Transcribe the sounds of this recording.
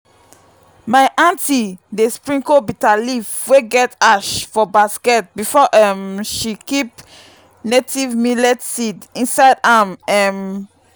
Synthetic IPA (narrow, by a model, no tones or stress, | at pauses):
maɪʔãntidespɹĩŋkobitalifweɡɛtaʃfɔbaskɛt̚bifɔʔɛmʃikip̚ | netivmilɛtsidĩnsaɪdamɛm